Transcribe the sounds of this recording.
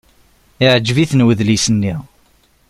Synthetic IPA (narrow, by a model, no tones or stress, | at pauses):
ɪʕd͡ʒːviθənwəðlisənːi